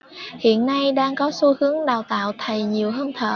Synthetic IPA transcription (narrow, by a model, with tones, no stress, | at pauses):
hḭ˧˨ənːa˧jɗaː˧ŋkɔ˨˦su˧hɨ˨˦əŋɗaː˨˩wt̪a̰ː˧˨wt̪ʰə˨˩jɲi˨˩əwɦəː˧nt̪ʰə̰ː˧˩